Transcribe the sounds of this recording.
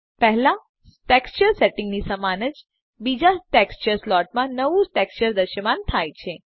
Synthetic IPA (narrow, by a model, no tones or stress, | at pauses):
pɛɦlã | ʈekst͡ʃəɾseʈɪ̃ŋɡnisəmanəd͡ʒ | bid͡ʒaʈekst͡ʃəɾslɔʈ̚mãnəʋuʈekst͡ʃəɾd̪əʃəmant̪ʰajt͡ʃʰe